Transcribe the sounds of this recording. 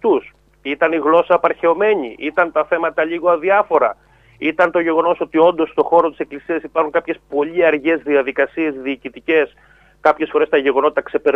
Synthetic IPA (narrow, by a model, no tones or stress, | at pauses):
t̪us | it̪ɐniɣlo̞sɐpɐɾçe̞o̞me̞ɲiʔit̪ɐnt̪ɐθe̞mɐt̪ɐʎiɣoɐðiɐfo̞ɾɐ | it̪ɐnt̪o̞ʝe̞ɣo̞no̞so̞t̪io̞nd̪o̞st̪o̞xo̞ɾot̪i̥se̞klisiɐsipɐɾxuŋkɐpçe̞spo̞ʎiɐɾʝe̞zðiɐðikɐsie̞zðiːcit̪ice̞s | kɐpçe̞sfo̞ɾest̪ɐʝe̞ɣo̞not̪ɐkse̞pe̞ɾ